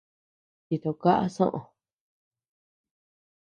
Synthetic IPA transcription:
ti˧t̪o˧ka˦ʔa̰˦sõ̰˦ʔõ˨˧

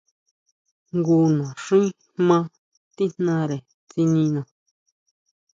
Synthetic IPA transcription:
ŋɡu˧nã˨ʂĩ˦ | hmã˦ | t̪i˦n̥nã˧ɾe˨ | t͡si˧nĩ˧nã˨

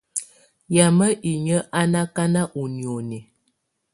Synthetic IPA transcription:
ja˨mə˦ʔi˨ɲə˦ʔa˦na˦ka˦na˦ʔu˨ni˨o˨nɛ˨

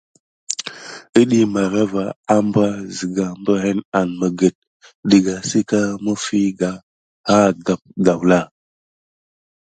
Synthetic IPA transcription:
ə˦ɗi˦ma˨ɾa˦va˨a˦mba˦zi˨ɡa˨mbə˦ɦe˦na˨nmə˨ɡə˨t̚ | də˨ɡa˨si˦ka˦mə˦fi˦ɡa˨ | ha˦ɡa˨p̚ɡa˨wla˦˨

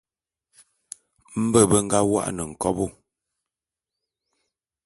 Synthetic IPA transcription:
m̩˦bə˦˨bə˦ŋ̩˦ɡa˦wa̰˦ʔnə˨ŋ̩˨kɔ˦bu˦˨

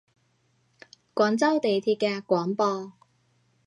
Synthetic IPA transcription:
kʷɔː˨˥nt͡sɐ˥wt̪e˨jt̪ʰiː˧p̚kɛː˧kʷɔː˨˥npɔː˧

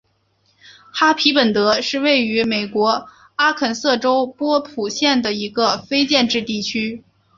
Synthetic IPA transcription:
xa˥pʰi˧˥pə˨˩nt̪ɤ˧˥ʂɻ̩˥˧we˥˩ɪy˧˥me˨˩ɪkwɔ˧˥ | a˥kʰə˨˩nsɤ˥˩ʈ͡ʂo˥ʊpwɔ˥pʰu˨˩ɕjɛ˥˩nd̪ə˩i˧˥ɡə˧fe˥ɪt͡ɕjɛ˥˧nʈ͡ʂɻ̩˥˧t̪i˥˩t͡ɕʰy˥

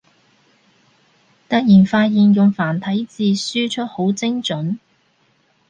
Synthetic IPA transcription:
t̪ɐ˥k̚jiː˨˩nfaː˧t̚jiː˨njʊ˨ŋfaː˨˩nt̪ʰɐ˨˥jt͡siː˨˧syː˥t͡ʃʰɵ˥t̚ho˨˥wt͡sɪ˥ŋt͡ʃɵ˨˥n

